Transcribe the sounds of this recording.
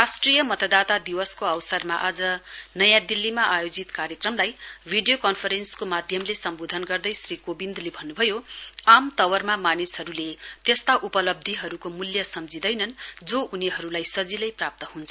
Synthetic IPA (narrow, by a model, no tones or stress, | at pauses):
rasʈrijʌmʌt̪ʌd̪at̪ad̪iwʌskoʌwsʌrmaʔad͡zʌnʌjãd̪ilːimaʔajod͡zit̪kaɾjʌkrʌmlajbʱiɖijokʌnpʰʌɾenskomad̪ʱjʌmlesʌmbod̪ʱʌnɡʌrd̪ʌjsrikobind̪lebʱʌnːubʱʌjoamt̪ʌwʌrmamanisɦʌɾulet̪est̪aʔupʌlʌb̚d̪ʱiɦʌɾukomuljʌsʌmd͡zid̪ʌjnʌnd͡zoʔuniɦʌɾulajsʌd͡zilʌjprap̚t̪ʌhunt͡sʰ